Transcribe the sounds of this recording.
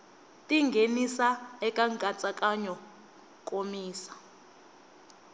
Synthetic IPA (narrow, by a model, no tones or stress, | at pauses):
tʼiŋɡʱenisaɛkʼaŋkʼat͡sʼakʼaɲɔ | kʼomiːsḁ